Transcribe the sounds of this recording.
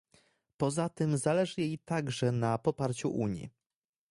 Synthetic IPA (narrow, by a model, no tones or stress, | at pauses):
pɔzat̪ɘmzalɛʐɘjejt̪aɡʐɛnapɔpaɾt͡ɕṵʔuɲjḭ